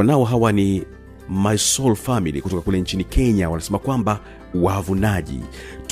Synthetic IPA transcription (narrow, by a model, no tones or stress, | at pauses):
anaɔɦawani | maisɔlfamilḭkutɔkakulɛɲt͡ʃinikʰɛɲawanasɛmakwamba | wavunaʄḭt